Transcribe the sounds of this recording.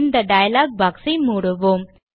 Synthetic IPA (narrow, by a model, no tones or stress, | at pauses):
nd̪ɐɖɐjɐlaːɡ̚baːksimuːɽɯʋoːm